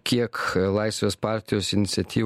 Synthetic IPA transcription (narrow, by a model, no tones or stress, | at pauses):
kʲiɛklˠɑɪsʲʋʲeːspɑˑɾʲt̪ʲɪjoːsɪnʲɪt̪sʲɛt̪ʲiː